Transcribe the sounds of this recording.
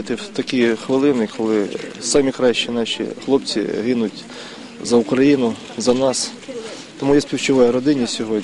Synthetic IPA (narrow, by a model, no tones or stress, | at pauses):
ɪt̪ɪwt̪ɐkʲijxʋɪlˠɪnɪkɔlˠɪsɑmʲikɾɑʃt͡ʃɛnɑʃʲḭxlˠɔpt͡sʲḭɦɪnʊtʲ | zɐʊkɾɐjinʊ | zɐnɑs | t̪ɔmujɛsʲpʲiwt͡ʃɪʋɔjɛɾɔd̪ɪnʲisʲɔɦɔdʲ